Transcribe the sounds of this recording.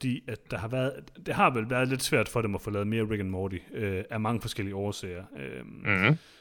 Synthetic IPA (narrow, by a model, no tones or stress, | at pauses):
fd̥ḭːæd̥ːɑ̈hɑ̈ʋæɐð̞ˠd̥e̝hɑ̈ʋelʋæɐð̞ˠle̝d̥sʋæɐ̰d̥fɒ̽d̥emɒfoːlɛːð̞̩ˠme̝ːɐʁeɡ̥ənmɒːɾiøæmɑ̈ŋəfɒ̽sɡ̥el̰iəɒːsɛ̰ːɪɐø